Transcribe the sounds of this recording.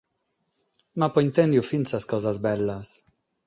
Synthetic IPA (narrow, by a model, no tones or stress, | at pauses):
mapoint̪ɛnd̪jufinsaskɔzazbɛlːas